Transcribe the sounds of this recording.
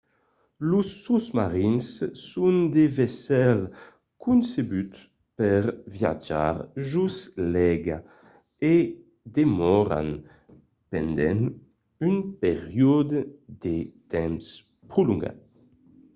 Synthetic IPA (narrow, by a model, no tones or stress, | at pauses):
lusːusmaʁinsːund̪evesɛl | kʰunsebyt̪ | pɛʁvja̰d͡ʒa̰ɾʒuslɛɡa | e | d̪emɔɾa̰n | pɛnd̪ɛ̰n | ynpeʁjod̪d̪et̪ɛms | pɾuluŋɡa̰t̪̚